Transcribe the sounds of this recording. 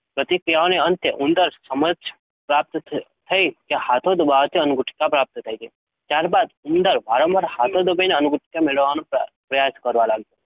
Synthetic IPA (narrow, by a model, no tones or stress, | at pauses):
pɾət̪ikɾijaoneənt̪eʔʊnd̪əɾsəməd͡ʒ | pɾap̚t̪t̪ʰəikehat̪ʰod̪əbaʋət̪ʰiənʊɡʊʈʰkapɾap̚t̪t̪ʰajd͡ʒei | t̪jaɾbad̪ʊnd̪əɾʋaɾomaɾhat̪ʰod̪əbʱəjneənuɡʊʈʰkjameɭəʋːanõpɾəjaskəɾʋãlaɡd͡ʒo